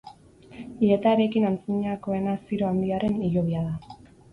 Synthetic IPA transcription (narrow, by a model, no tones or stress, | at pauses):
ie̞t̪aeɾe̞kinant͡siɲako̞e̞nasiɾo̞and̪iaɾe̞niʎo̞β̞iaða